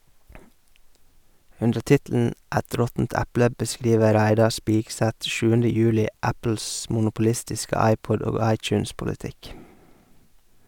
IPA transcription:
ˈʉndə ˈtɪtl̩n̩ ˈæt ˈɾɔtn̩t ˈæplə bəˈskɾiːʋə ˈɾæɪdɑ ˈspiːɡsæt ˈʃʉːəndə ˈjʉːlɪ ˈæpl̩s mʊnʊpʊˈlɪstɪskə ˈɑɪˌpɔd ˈoːɡ ˈɑɪˌt͡ʃʉːnspʊləˌtɪk

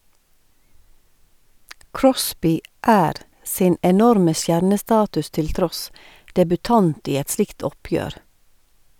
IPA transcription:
ˈkɹɔsbɪ ˈʔæːɾ ˈsɪn ɛˈnɔɾmə ˈsjæɾnəˌstɑːtʉs ˈtɪl ˈtɾɔs dɛbʉˈtɑnt ˈiː ˈɛt ˈslɪkt ˈɔˌpjøːɾ

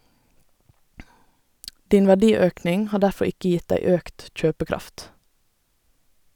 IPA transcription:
ˈdiːn ʋæˈdiːˌøːknɪŋ ˈhɑː ˈdæfɔ ˈɪkə ˈjɪt ˈdæɪ ˈøːkt ˈc͡çøːpəˌkɾɑft

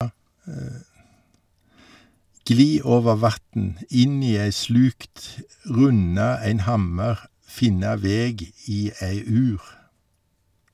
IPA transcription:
ˈɡliː ˈoːʋəʁ ˈʋɑtn̩ ˈɪn ˈiː ˈeɪ ˈslʉːkt ˈʁʉnɑ ˈæɪn ˈhɑməʁ ˈfɪnɑ ˈʋeːɡ ˈiː ˈeɪ ˈʉːʁ

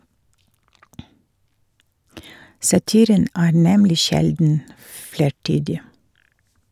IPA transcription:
sɑˈtiːɾən ˈæː ˈnɛmlɪ ˈʃɛldn̩ ˈfleːˌʈyːdɪ

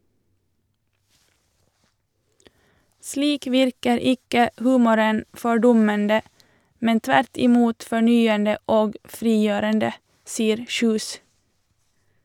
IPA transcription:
ˈsliːk ˈʋɪɾkəɾ ˈɪkə ˈhʉːmʊɾən fɔˈɖʊməndə ˈmɛn ˈtʋæɾt ɪˈmuːt fɔˈɳyːəndə ˈoːɡ ˈfɾiːˌjøːɾəndə ˈsiːəɾ ˈçʉːs

